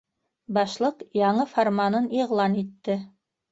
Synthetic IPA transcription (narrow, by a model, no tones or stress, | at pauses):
bɑʃlˠɤqjɑɴɤfoɾmanɤniʁlˠɑnit̪ːɘ